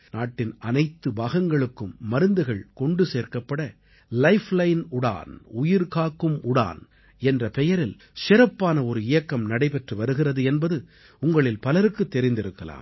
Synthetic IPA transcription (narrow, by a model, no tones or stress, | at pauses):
naːʈːɪnɐnɐɪt̪ːɯbaːɣɐŋɡɐɭɯkːɯmːɐɾɯnd̪ɯɣɐɭkɔɳɖɯseːɾkɐpːɐɽɐ | lɐɪflɐɪnʊɽa̰ːnʊjɪɾkaːkːɯmʊɽa̰ːn | ɛndrɐpɛjɐɾɪl | sɪɾɐpːaːnɐɔɾɯɪjɐkːɐmnɐɽɐɪpɛʈrɯʋɐɾɯɣɪrɐðɯɛnbɐðɯ | ʊŋɡɐɭɪlpɐlɐɾɯkːɯt̪ːɛɾɪnd̪ɪɾɯkːɐla̰ːm